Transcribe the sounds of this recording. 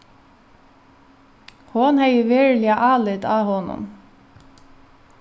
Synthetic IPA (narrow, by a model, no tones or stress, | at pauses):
hʊnhæjəʋeːɹlɪɑʔɑːlɪd̪ɑːhɔnʊ̰m